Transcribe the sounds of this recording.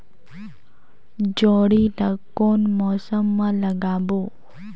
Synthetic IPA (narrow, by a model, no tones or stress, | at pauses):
d͡ʒoːɽiʈɐkːoːnmɔːsəmːãlɐɡaːboː